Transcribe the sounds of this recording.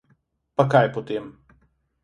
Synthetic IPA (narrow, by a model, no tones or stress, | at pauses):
pakajpɔt̪em